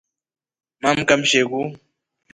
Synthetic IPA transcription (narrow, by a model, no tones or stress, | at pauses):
mam̩kam̩ʃeku